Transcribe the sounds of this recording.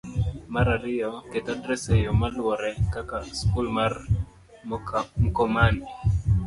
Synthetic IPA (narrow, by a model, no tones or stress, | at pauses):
maɾaɾɪjɔketadɾɛsejɔmalwɔɾɛkakaskulmar | mm̩kɔmani